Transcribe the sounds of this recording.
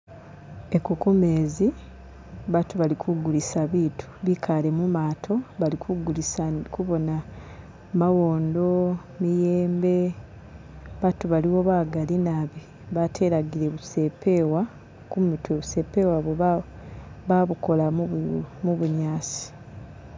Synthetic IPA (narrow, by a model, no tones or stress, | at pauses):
e̞kukumeːzi | βatuβalikʰuɡulisaβiːtʰu̥βikʰale̞mumaːtʰo̞βalikʰuɡulisakuβo̞na | mawo̞ːndo̞ | mijeːmbe̞ | βatuβaliwo̞βaːɡalinaβi | βatʰe̞ɾaɡiɾe̞βuse̞pe̞ːwa | kumitwe̞βuse̞ːpːe̞waβo | βaβuko̞la | muβuɲaːsi̥